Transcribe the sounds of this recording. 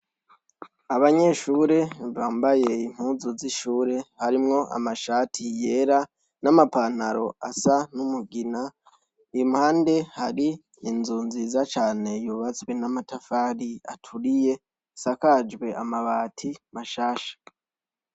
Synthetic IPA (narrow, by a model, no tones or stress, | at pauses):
aβaɲe̞ʃuːɾe̞βaːmbaje̞im̥huːzuziʃuːɾe̞haɾimŋo̞ʔa̰maʃaːtʰije̞ːɾa | namapan̥aɾo̞asanumuɡina | imhaːnde̞haɾiː | nzuːnzizat͡ʃaːne̞juːβat͡swe̞namatafaːɾia̰tʰuɾije̞ | sakad͡ʒɡwe̞amaβaːtʰimaʃaːʃḁ